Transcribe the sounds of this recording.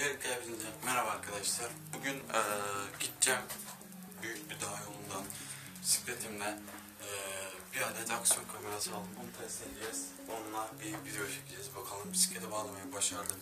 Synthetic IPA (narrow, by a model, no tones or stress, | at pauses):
beɾʲikʰalabilind͡ʒɛmeɾabaɾkʰad̪aʃlˠaɾbuɟynɛːɟit̪t͡ʃɛm | byjyc̚ʲbid̪aɦajo̞lˠund̪an | si̥fɾet̪ʰimlʲɛː | biɾad̪ed̪aksijo̞nkʰameɾasɯalˠd̪ɯmonut̪ʰɛst̪ilʲid͡ʒɛz̥ | onuaɾbivid̪ejot͡ʃʰecʰʲild͡ʒɛzbakʰalˠɯmbisi̥cʰed̪ɛbaːlˠamajabaʃaɾd̪ˠɯ